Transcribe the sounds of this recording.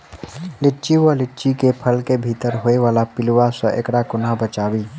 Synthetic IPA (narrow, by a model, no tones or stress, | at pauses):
lɪʈːt͡ʃiwolɪʈːt͡ʃikepʰəlkebʱiːt̪əɾɦoːeʋaːlapɪlwasəʔḛkɽakʊnabət͡ʃaːwiː